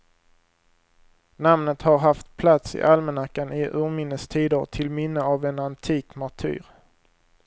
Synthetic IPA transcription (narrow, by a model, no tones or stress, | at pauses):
namnət̪haɾɦaft̪̚pʰlat̪sɪ̰ʔalmənakːanɪʔʉːɾmɪnːəst̪ʰiːd̪əɾʈ̪ʰɪlmɪnːəavɛnant̪ʰiːkmɔʈʰy̰ːɾ